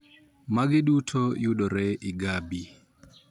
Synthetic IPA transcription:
maɡɪɗutʰojʊɗɔɾɛʔɪɡabi

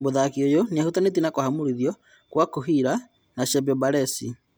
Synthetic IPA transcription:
boðakiojoneahutanet̬inakohamuɾiðjɔ | kwakoɦiɾa | naʃɛbɛbaɾɛsi

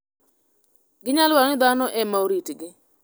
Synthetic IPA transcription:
ɡɪɲalwaɾɔnɪd̪anɔʔɛmaoɾitɡɪ

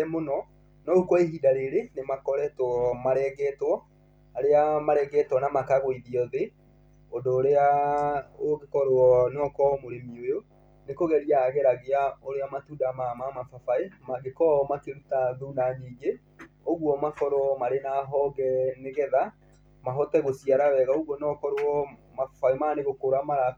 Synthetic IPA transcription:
ɛmonɔ | nɔukwɔeɦidaɾeɾenemakɔɾɛtwɔmaɾɛɡɛtwɔ | aɾeamaɾɛɡɛtwɔnamakaɣoiðiɔðe | ondoːɾea | oɣekɔɾɔnɔkɔmoɾemiojo | nekoɣɛɾiaɣɛɾaɣeaoɾeamatudamamamafafaemaɡekɔmakeɾutaðunaɲiːɡe | oɣwɔmakɔɾwɔmaɾenaɦɔɡɛneɣɛða | maɦɔtɛɣosiaɾawɛɣaoɣwɔnɔkɔɾwɔmafafaimaneɣokoɾamaɾa

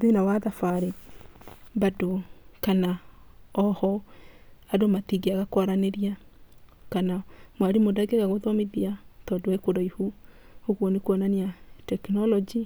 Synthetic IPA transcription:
ðenawaðafaɾe | badokanaɔhɔ | adomatiɡeaɣakwaɾaneɾia | kanamwaɾimodaɡeɣaɣoðɔmeðiatɔdowekoɾaihuhoɣwɔnekwɔnaniatɛknɔlɔd͡ʒi

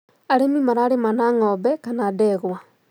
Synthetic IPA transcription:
aɾemimaɾaːɾemanaŋɔːbɛkanaːdɛɣwa

